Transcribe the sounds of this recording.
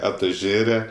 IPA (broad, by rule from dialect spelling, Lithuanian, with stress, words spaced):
ɐtʊˈʒʲeːrʲɛ